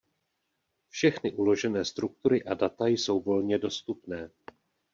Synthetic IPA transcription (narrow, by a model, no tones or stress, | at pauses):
fʃɛxnɪʔulo̞ʒɛnɛːst̪ɾuk̚t̪uɾɪʔadat̪ajso̞wvo̞lɲɛdo̞st̪upnɛː